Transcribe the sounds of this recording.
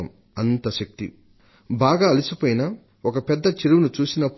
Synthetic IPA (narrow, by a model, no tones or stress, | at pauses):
ɐm | ɐnt̪ɐʃɐk̚t̪ḭ | baːɡaːɐlisipoːjinɐ | okɐpɛd̪ːɐt͡ʃiɾuʋunut͡ʃuːsinɐpː